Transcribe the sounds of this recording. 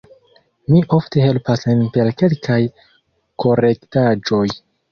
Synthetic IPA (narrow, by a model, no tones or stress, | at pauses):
miʔofte̞ɦe̞lpasenpelke̞lkʰaj | ko̞ɾe̞ktad͡ʒo̞j